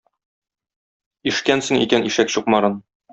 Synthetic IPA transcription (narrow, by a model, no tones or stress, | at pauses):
iʃkænsɘ̆ŋḭkænʔiʃækɕuqmɑɾɤn